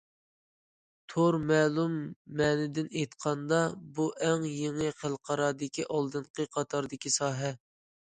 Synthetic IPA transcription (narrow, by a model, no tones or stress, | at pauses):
t̪ʰoɾmɛːlˠumːɛnɪd̪ɪnejt̪qʰɑnd̪ɑbuʔɛŋjeŋɨqʰəlˠqʰɑɾɑːd̪ɪkʲiʔɑlˠd̪ɨɴqʰəqʰɑt̪ʰɑɾd̪ɪkʲisɑːɦɛ